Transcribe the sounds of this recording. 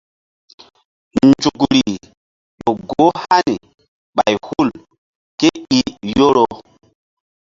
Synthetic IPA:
nd͡ʒu˨kɾi˨ | ɗo˨ɡo˦ha˦ni˨ | ɓa˨jhu˦˨l | ke˦i˨jo˦ɾo˨

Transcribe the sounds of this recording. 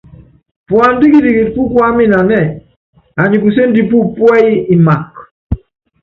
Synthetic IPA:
pwa˨ndi˦ki˦di˨ki˨t̚pu˦kwa˦mi˦na˨nɛ˦˨ | a˨ɲi˨ku˨se˦ndi˨pu˦pwɛ˦i˦i˨ma˨k

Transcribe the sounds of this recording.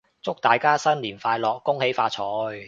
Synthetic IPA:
t͡sʊ˥k̚t̪aː˨jkaː˥sɐ˥nliː˨˩nfaː˧jlɔː˨kːʊ˥ŋhe˨˥jfaː˧t͡sʰɔː˨˥j

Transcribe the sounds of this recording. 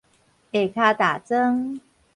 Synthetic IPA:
e˨˩kʰa˥˧t̪a˨˩t͡sə˦ŋ

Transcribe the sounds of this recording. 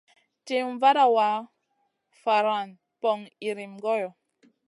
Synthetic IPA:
te˨ɱ˦va˦ɾa˦˨wa˨˦ | fa˨ɾa˨n | pɔ˨ŋi˨ɾi˨mɡɔ˦jɔ˨

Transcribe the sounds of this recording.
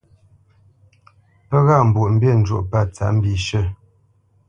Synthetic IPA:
pə˦ɣa˦˨m̩˨bu˨ʔm̩˦be˦˨n̩˨d͡ʒo̰˨ʔpa˦˨t͡sa̰˨ʔm̩˦bi˨ʃə˦˨

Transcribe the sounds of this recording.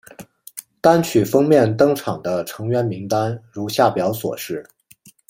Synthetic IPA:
t̪a˥nt͡ɕʰy˨˩fɤ˥ŋmjɛ˥˩nt̪ɤ˥ŋʈ͡ʂʰɑ˨˩ŋd̪ə˦ʈ͡ʂʰɤ˧˥ŋɥɛ˧˥nmi˧˥ŋt̪a˥nɻu˧˥ɕja˥˩pjɑ˧˥ʊswɔ̰˨˩ʂɻ̩˥˩

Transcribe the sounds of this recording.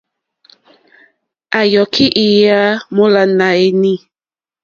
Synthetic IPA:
a˨jɔ˨kʰi˦ʔi˨ja˦mo˦la˨na˨e˦ni˦˨

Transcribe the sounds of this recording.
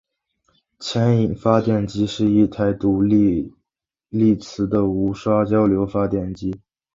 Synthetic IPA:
t͡ɕʰjɛ˧˥ni˨˩ŋfa˥t̪jɛ˥˩nt͡ɕi˥ʂɻ̩˥˧i˥˩t̪ʰa˧˩ɪt̪u˧˥˧ | li˥˩t͡sʰɹ̩˧˥d̪ə˧u˧˥ʂwa˥t͡ɕjɑ˥ʊljo˧˥ʊfa˥t̪jɛ˥˩nt͡ɕi˥

